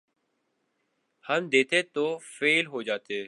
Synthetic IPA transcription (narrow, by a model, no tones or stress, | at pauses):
həmd̪eːt̪ʰeːt̪oːfeːlɦoːd͡ʒaːt̪eː